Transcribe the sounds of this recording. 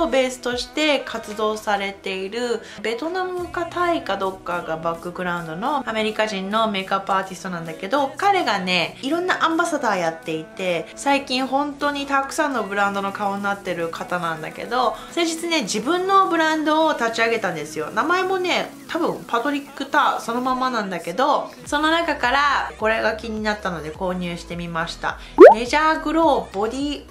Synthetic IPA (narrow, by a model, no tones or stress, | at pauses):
obe̞ːsɨ̥t̪o̞ɕi̥t̪e̞kʰat͡sɨd̪o̞ːsaɾe̞t̪e̞iɾɯ̟ | be̞t̪o̞namɯ̟kat̪aikad̪o̞kːaɡabakːɯ̟ɡɯ̟ɾãɯ̃nd̪o̞no̞ame̞ɾʲikaʑĩnːo̞me̞ːkapaːt̪ʲisɨ̥t̪o̞nãnd̪ake̞d̪o̞kaɾe̞ɡane̞iɾõ̞nːaʔãmbasad̪aːjat̪ːe̞it̪e̞saikʲĩɰ̃ɦõ̞nt̪o̞ːɲ̟it̪akɯ̟̥sãnːo̞bɯ̟ɾãnd̪o̞no̞kaoɲinat̪ːe̞ɾɯ̟kʰat̪anãnd̪a̰ke̞̰d̪o̞sẽ̞ɲd͡ʑit͡sɨne̞d͡ʑibɯ̟̃nːo̞bɯ̟ɾãnd̪o̞ːt̪at͡ɕiaɡe̞t̪ãnd̪esɨjo̞̰namae̞mo̞ne̞t̪ʰabɯ̟̃mpat̪o̞ɾʲikːɯ̟t̪aso̞no̞mamanãnd̪ake̞d̪o̞ | so̞no̞nakakaɾako̞ɾe̞ɡakʲiɲ̟inat̪ːano̞d̪e̞ko̞ːɲ̟ɨːɕi̥t̪e̞mʲimaɕi̥t̪a̰ | me̞ʑaːɡɯ̟ɾo̞ːbo̞ɾʲi